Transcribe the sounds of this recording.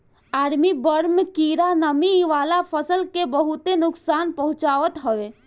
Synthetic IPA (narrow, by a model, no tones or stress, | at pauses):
aːɾmibəɾmkiːɾanəmiʋaːlapʰəsəlkebəɦut̪enʊksaːnpəɦʊ̃t͡ʃaːʋət̪ɦəʋe